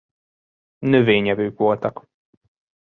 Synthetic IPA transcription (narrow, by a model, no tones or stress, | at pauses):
nøveːɲɛvøːkʋo̞lt̪ɒk